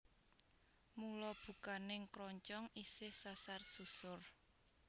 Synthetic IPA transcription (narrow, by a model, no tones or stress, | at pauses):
mulɔb̥ṳkanɪŋkɾɔɲt͡ʃɔŋisɪhsasarsusʊr